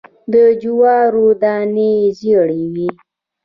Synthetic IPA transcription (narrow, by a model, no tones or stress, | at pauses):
d̪əd͡ʒuwɑɾud̪ɑneziɽiwi